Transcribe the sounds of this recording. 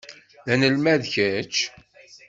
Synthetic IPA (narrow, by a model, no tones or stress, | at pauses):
ðænəlmæðçæt͡ʃ